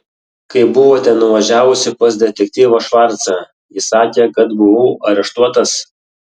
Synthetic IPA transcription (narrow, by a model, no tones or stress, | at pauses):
kɐɪbʊʋoːt̪ʲɛnːʊʋɐʒʲæːʋʊsʲɪpɐsd̪ʲɛt̪ʲɛk̚ʲt̪ʲiːʋoːʃʋɑɾt̪sɑ | jɪsɑːkʲeːkɐt̪bʊʋuːʔɐɾʲɛʃt̪uɔt̪ɐs